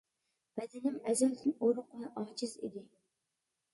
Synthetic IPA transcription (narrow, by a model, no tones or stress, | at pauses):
b̥ɛd̪ɪnɪmɛzɛld̪ɪnoɾʊqʰʊnɨʔɑːd͡ʒizḭd̪ɪ